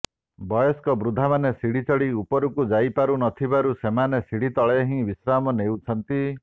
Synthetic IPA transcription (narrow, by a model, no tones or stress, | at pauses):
bɔjɔskɔbɾud̪ʱamanesiɽit͡ʃɔɭiupɔɾukud͡ʒajpaɾunɔt̪ʰibaɾusemanesiɽ̤it̪ɔɭeɦĩbisɾamɔnewt͡ʃʰɔnt̪i